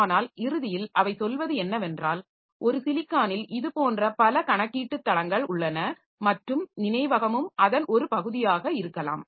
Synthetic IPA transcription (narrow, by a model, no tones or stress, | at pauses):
naːlɪɾɯðɪjɪlʔɐʋɐɪsɔlʋɐðɯɛnːɐʋɛndraːl | ʔɔɾɯsɪlɪkːaːnɪlʔɪðɯpoːndrɐpɐlɐkɐɳɐkːiːʈːɯt̪ːɐlɐŋɡɐɭʊɭːɐnɐ | mɐʈrɯmnɪnɐɪʋɐɣɐmɯmɐðɐnʔɔɾɯpɐɣɯðɪjaːɣɐɪɾɯkːɐla̰ːm